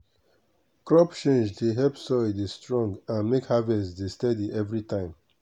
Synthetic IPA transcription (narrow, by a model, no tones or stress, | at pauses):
kɹɔpt͡ʃẽnd͡ʒdeɦɛlpsɔɪdestɹɔ̃ŋɡãnmekhavɛdestɛdiʔɛvɹitʰãɪ̃m